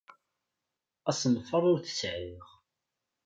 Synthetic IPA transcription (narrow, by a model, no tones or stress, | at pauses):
æsnfəɾˤʊɾθə̥sʕiʁ